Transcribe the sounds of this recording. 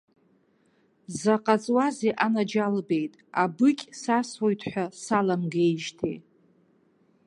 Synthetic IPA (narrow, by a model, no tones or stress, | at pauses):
zaqʼat͡sʼwazeʔanad͡ʒalbe̞jtʼabɨkʲʼsaswojtʰħʷᶣasalamɡejʒtʰḛj